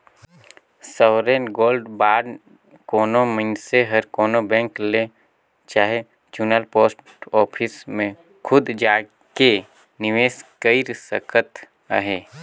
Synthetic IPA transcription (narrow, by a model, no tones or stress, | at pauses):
səʋɾeːnɡoːlɖbaːɖ | koːnoməɪnseɦəɾkɔːnobɛ̃ːŋkle | t͡ʃaːɦe | t͡ʃuːnəlpoːsʈ | ɔːpʰɪsmẽ | kʰʊd̪d͡ʒaː | ke | nɪʋeːskəiɾsəkʰət̪ | ə̰ɦeː